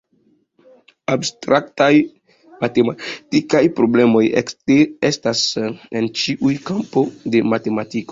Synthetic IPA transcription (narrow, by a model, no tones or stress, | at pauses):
abstɾʔaktaj | matematikajpɾo̞ble̞mo̞jeteestase̞nt͡ʃiʔujkampo̞de̞mate̞matiko̞